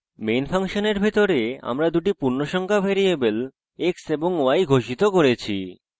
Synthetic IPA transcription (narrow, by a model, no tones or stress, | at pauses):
mejnfʰaŋʃoneɾbʱit̪oɾea̰mɾad̪uʈipuɾnoʃɔŋkʰafeɾijebel | ekseboŋoajɡʱoʃit̪okoɾet͡ɕʰḭ